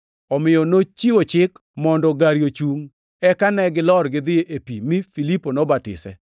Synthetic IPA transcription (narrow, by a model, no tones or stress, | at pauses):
ɔmɪjɔnot͡ʃiwot͡ʃɪkmɔndɔɡaɾjot͡ʃuŋ | ɛkanɛɡɪlɔrɡɪd̪ɪeʔepimɪfiliponɔbatɪ̰sɛ̰